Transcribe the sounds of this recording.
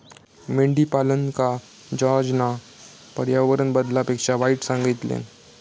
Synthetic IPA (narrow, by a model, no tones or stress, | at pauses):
meɳɖipalənka | d͡ʒɔɾd͡ʑna | pəɾjaʋəɾənbəd̪lapekʂaʋaiʈsãŋɡit̪lḛn